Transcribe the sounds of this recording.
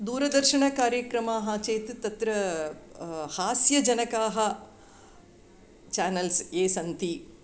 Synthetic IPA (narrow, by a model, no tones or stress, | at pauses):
d̪uːɾɐd̪ɐɾʃɐɳɐkaːɾjɐkɾɐmaːɦɐːt͡ʃeːt̪t̪ɐt̪ɾɐ | haːsjɐd͡ʒɐnɐkaːɦɐ | t͡ʃaːnɐlseːsɐnt̪i